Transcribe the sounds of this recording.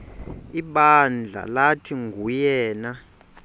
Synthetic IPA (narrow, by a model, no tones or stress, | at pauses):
iɓand͡ɮʱa̰latʰiŋɡʱujɛːna